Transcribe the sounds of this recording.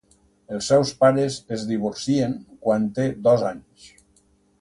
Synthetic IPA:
elˠsːɛwspaɾezezdiβoɾsieŋkwant̪ed̪ɔzaɲs

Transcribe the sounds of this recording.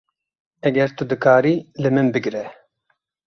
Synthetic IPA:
ɛɡɛɾt̪ud̪ɨkʰaːɾiːlɨmɨnbɨɡɾɛ

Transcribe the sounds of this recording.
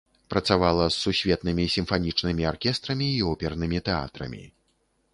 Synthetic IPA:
pɾɐt̪savalˠɐsːusʲvʲɛt̪nɨmʲisʲimfanʲit͡ʂnɨmʲiarkʲɛst̪ɾɐmʲiːɔpʲɛrnɨmʲit̪ɛa̰t̪ɾɐ̰mʲḭ

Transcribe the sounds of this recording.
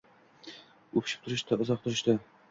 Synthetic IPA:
ɵpʰʃɪ̥p̚t̪ʰʊɾɪʃt̪aʊzɒq̚t̪ʰʊɾɪʃt̪ɪ

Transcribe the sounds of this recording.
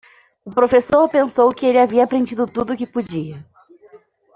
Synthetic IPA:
ʊpɾofesoɾpẽsowkɪelɪaviɐapɾẽd͡ʒid̪ʊt̪ud̪ʊkɪpod͡ʒiɐ

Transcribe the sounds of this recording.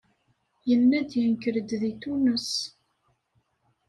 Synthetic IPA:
jənːæd̪jənkəɾəd̪ðit̪unəs

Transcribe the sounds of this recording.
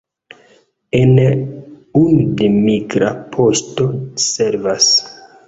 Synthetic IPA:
en | unudemiɡɾapʰo̞sto̞seɾvas

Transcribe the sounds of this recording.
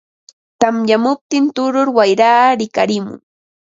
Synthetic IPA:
t̪amjamʊp̚t̪ɪnt̪ʊɾʊɾwajɾaːɾɪkaɾɪmʊ̰ŋ

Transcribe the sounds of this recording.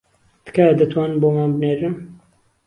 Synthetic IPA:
d̪̥ɨ̥kaːd̪ɨt̪ʰwaːnɨmboːmaːnbɨneːɾɨn

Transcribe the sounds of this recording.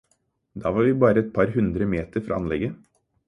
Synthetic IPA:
d̪ɑːʋɑːɾʋiːbɑːɾəɛt̪̚pʰɑɾɦʉnd̪ɾəmeːt̪əɾfɾʔɑ̰ɑ̰nlɛɡə

